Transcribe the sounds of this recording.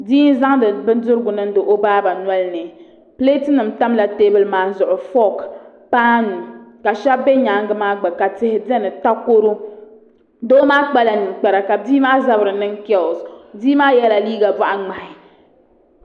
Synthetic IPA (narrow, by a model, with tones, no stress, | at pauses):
diː˦n˦za˦ŋdɨ˨bɨ˦n˦dʊ˦ɾɡʊ˨nɨ˦n˦dɨ˨ʔo˦baː˦ba˨nwɛ˦lnɛ˨ | ple˦ti˦nɨ˨m̩˦ta˦mla˨teː˦bɨ˨lmaː˦zʊ˨ʔʊ˨fɔ˦k | paː˦nu˨ka˨ʃa˦bbɛ˦ɲa˨˦ŋ˦ɡɨ˦maː˦ɡ͡ba˨ka˨tɪ˦hɪ˨dɛ˦nɨ˨ta˦ko˦ɾo˦ | doː˦maː˦k͡pɛ˦la˨nɨ˨k͡pɛ˨ɾa˨ka˨diː˦maː˦za˦bɾɨ˨nɨ˦ŋkɛ˦˨sdiː˦maː˦jɛ˦la˨liː˦ɡa˨ba˦ʔa˦ŋ͡ma˨hɪ˨